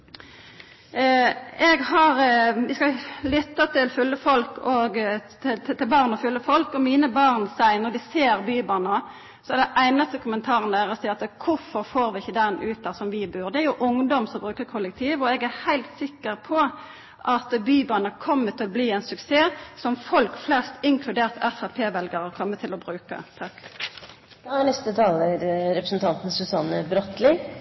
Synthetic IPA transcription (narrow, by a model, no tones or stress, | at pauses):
ʔɛɡhɑʁʋɪskɑlʏt̪ːɑt̪ʰɪlfʉlːəfɔlkɔɡ̪ | ɪt̪t̪ɪlbɑːʁnɔfʉlːəfɔlkɔmiːnəbɑʁnsæɪnɔɾd̪ɪseːʁbyːbɑʁnə | sɔɛɾɖ̪d̪ɛʔæɪnɑst̪əkʰʊmənt̪ʰɑːʁənəd̪æːɾɔsiːɑt̪kʰʊfɔʁfoːɾʋɪɪçəd̪ɛnʉːt̪̚d̪ɑsɔmʋiːbʉːɾd̪ɛæɾjʊʔʊŋd̪ɔmsɔmbʁʉːkəɾkʰʊlːək̚t̪ʰiːʋɔɛɡæʁhæɪlt̪sɪkːəʁpʰɔ | ʔɑt̪byːbɑːnəkʰɔmːət̪ʰɪlɔbliːɛɪnsʉkseːsɔmfɔlkflɛst̪ɪŋkʰlʉd̪eːʁt̪ɛfɑpʰeːʋɛlɡəʁəkʰɔmːət̪ʰɪlɔbʁʉːkə̰t̪ʰɑk | d̥̪ɑnɛst̪ət̪ʰɑːləɾɾɛpɾə̥sn̩t̪ʰɑnt̪n̩sʉsɑnəbɾɔt̪lɪ